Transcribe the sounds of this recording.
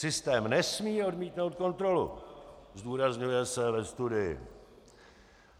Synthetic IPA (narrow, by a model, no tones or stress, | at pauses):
sɪst̪ɛːmnɛsmiːo̞dmiːt̪no̞wt̪̚ko̞nt̪ɾo̞lṵzduːɾazɲujɛsɛvɛst̪udɪjɪ̰